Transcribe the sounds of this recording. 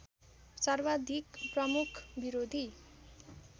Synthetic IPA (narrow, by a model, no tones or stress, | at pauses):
sarbad̪ʱikprʌmukʰbiɾod̪ʱi